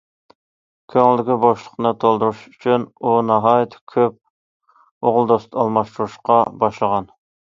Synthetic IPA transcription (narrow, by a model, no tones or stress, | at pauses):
kʲʰøŋld̪ɪɡʲiboʃlˠə̥qnɨt̪ʰolˠd̪uɾuʃy̥t͡ʃʰynunɑɦɑjt̪ʰkʲʰøp̚ | oʁlˠd̪ost̪ɑlˠmɑʃt̪uɾuʃqɑbɑʃlˠəʁɑn